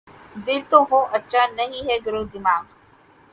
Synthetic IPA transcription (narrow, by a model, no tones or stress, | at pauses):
d̪ɪlt̪õːɦõːʔɐtːʃʰanɐɦĩɦɛɡʊɾoːd̪ɪmaːɡ